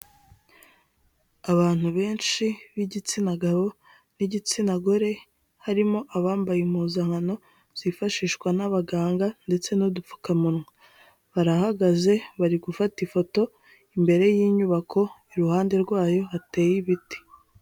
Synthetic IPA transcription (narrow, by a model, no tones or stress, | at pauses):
aβaːn̥huβe̞ːnt͡ʃʃiβiɟit͡sinaɡaβo̞ | niɟit͡sinaɡo̞ɾe̞ | haɾimo̞ʔaβaːmbajimuːzaŋano̞ | z̥ifaʃiːʃkwanaβaɡaːŋɡande̞t͡se̞nudup͡fu̥kamunŋa | βaɾahaɡaze̞βaɾiɡufatifo̞to̞ | imbe̞ɾe̞jiːɲuβakʰo̞iɾuhaːnde̞ɾɡwaːjo̞ate̞ːjiβiti̥